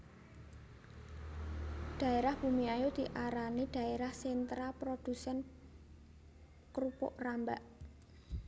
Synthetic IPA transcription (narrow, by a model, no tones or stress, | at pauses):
d̪̥ä̤eɾahb̥umiajod̪̥i̤ʔaɾanid̥ä̤eɾahsent̪ɾapɾod̪̥usɛn | kɾupʊ̰ʔramba̰ʔ